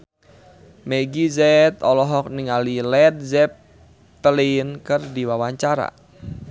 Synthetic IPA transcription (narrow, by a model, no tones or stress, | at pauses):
mɛɡizɛt̪ɔlɔɦɔk̚niŋalilɛd̪̚zɛp̚ | t̪əlinkɨrdiwawaɲt͡ʃaɾa̰